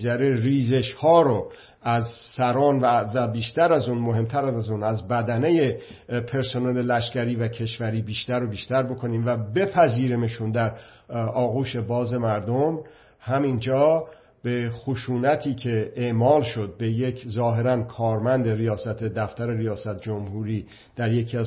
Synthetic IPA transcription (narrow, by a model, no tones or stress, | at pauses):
zæɾeriːze̞ʃhɒːɾo | æzsæɾɒːnvævæbiːʃt̪æɾæzuːnmoɦe̞mt̪ʰæɾæzæzuːnæzbæd̪æneje | pʰe̞ɾsonele̞læʃcæɾiːvækʰe̞ʃvæɾiːbiːʃt̪æɾobiːʃt̪æɾbo̞kʰo̞niːmvæbe̞pʰæziːɾemeʃund̪æɾ | ɒːɣuːʃe̞bɒːze̞mæɾd̪om | hæmind͡ʒɒː | b̥e̞xoʃuːnæt̪ʰiːcʰe̞eʔmɒːlʃo̞d̪̚be̞je̞kʰzɒːɦe̞ɾænkʰɒːɾmænd̪e̞ɾijɒːsæt̪ʰe̞d̪æft̪æɾe̞ɾijɒːsæt̪̚d͡ʒomhuːɾiː | d̪̥æɾjecʰiæz